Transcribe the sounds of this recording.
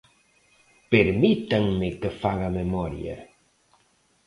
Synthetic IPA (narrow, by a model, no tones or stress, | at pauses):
peɾmit̪aŋmɪkefaɣamemɔɾj̰a̰